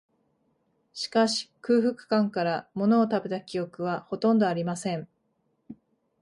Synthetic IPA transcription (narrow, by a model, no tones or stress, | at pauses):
ɕi̥kaɕi̥kɯ̟ːɸɯ̟kɯ̟̥kãŋkaɾamo̞no̞ːt̪abe̞t̪akʲijo̞kɯ̟β̞aho̞t̪õ̞nd̪o̞aɾʲimasẽ̞ɴ